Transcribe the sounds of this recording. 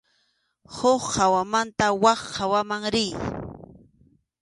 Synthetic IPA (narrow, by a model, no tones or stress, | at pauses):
hoχːawamant̪awɑχːawamaŋɾɪj